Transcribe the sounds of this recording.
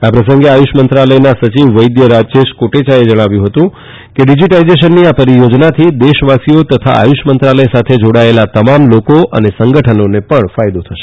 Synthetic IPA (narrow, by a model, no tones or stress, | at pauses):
apɾəsəŋɡeajuʃmənt̪ɾaləjnasət͡ʃiʋʋəjd̪jəɾad͡ʒt͡ʃeʃkoʈet͡ʃaed͡ʒəɽ̃aʋjũɦət̪ũ | keɖid͡ʒiʈaizeʃ̬ənːiapəɾijod͡ʒnat̪ʰid̪eʃʋasijot̪ət̪ʰa̰a̰juʃmənt̪ɾaləjsat̪ʰed͡ʒoɽaelat̪əmamlokoʔə̰nesəŋɡəʈʰənonepəɳfajd̪ot̪ʰəʃe̥